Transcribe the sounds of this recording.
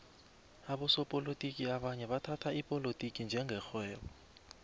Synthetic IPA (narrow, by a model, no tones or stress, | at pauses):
aɓɔsɔpʼolotʼikʼiaɓaɲɛɓatʰatʰaipʼɔlotʼikʼind͡ʒʱɛŋɡʱɛxwɛːɓɔ